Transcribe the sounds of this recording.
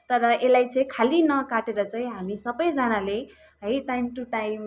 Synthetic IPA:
t̪ʌɾʌʔelajt͡sʌĩkʰalinʌkaʈeɾʌt͡saĩɦamisʌbʌjd͡zʌnale | ɦʌjʈajmʈuʈajm

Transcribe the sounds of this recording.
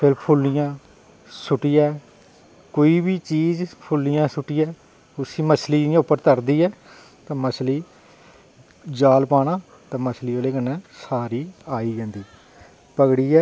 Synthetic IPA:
pʰɪɾpʰʊlːɪjãː | sʊʈiːaː | koːiːbiːt͡ʃiːzpʰʊlːɪjãːsʊʈiːɛː | ʊsĩːməsliːɪjãːʊpːəɾt̪əɾd̪iːɛː | t̪ãːməsliː | d͡ʒaːlpaːɽãː | t̪ãːməsliːoːleːkənːɛ̃ːsaːɾiːaːiːd͡ʒɛ̃ːnd̪iː | pəɡɽiːɛː

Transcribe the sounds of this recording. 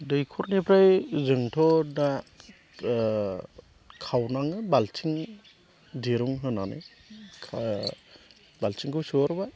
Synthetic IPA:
dɯjkʰɔɾnipʰɾajzɯŋtʰɔna | kʰawnaŋɯbalsʰiŋ | diɾuŋɦɯnanɯ̰kʰa | balt͡ʃʰiŋkʰɯwsɯɔɾba

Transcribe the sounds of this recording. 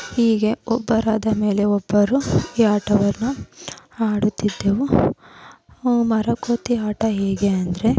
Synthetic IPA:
hiːɡe̞ɔbːɐɾaːd̪ɐme̞ːle̞ɔbːɐɾuiːaːʈɐʋɐɾnu | aːɽut̪ːid̪ːeʋu | mɐɾɐkoːt̪iaːʈɐɦeːɡeɐnd̪ɾe̞

